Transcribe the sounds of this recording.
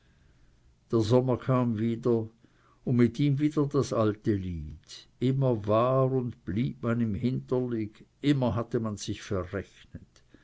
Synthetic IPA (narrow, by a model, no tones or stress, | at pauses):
d̥eːɐzɔməkʰaːmviːdɐ | ʊnmɪtiːmviːdɐdasʔaltəliːdʔɪmɐvaːʁʊndb̥liːp̚manɪmhɪntɐlɪkʔɪmɐɦatəmanz̥ɪçfɛʁɛçnət